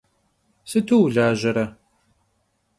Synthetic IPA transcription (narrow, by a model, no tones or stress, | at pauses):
sɨtʰuwɮaːʒɐɾɐ